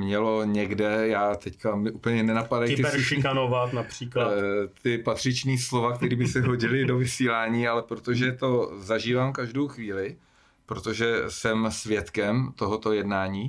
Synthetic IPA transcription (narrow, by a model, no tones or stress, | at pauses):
mɲɛlo̞ɲɛɡdɛjaːt̪ɛckamɪʔuːpl̩ɲɛnɛnapadajɪt̪ɪsuʃɪikanovat̪napr̥iːklat̪ɪpat̪r̝̥ɪt͡ʃniːslo̞vak̚t̪ɛɾiːbɪsɛɦo̞ɟɪlɪdo̞vɪsiːlaːɲiːalɛpɾot̪o̞ʒɛt̪o̞zaʒiːvaːmkaʒdowxviːlɪ | pɾot̪o̞ʒɛsɛmsvjɛt̪kɛmt̪o̞ɦot̪o̞jɛdnaːɲiː